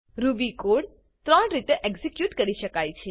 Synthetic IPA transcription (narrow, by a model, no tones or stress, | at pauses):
ɾubikoɽ | t̪ɾəɳɾit̪eʔeksikjuʈkəɾiʃəkajt͡ʃʰe